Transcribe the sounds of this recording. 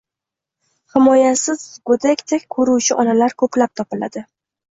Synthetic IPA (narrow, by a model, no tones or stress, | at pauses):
hɪmɒjasɪzɡɵd̪akʲt̪ʰekʲkʰːɵɾuwt͡ʃʰɪʔɒnalaɾkʰɵplap̚t̪ʰɒpɪla̰d̪ɪ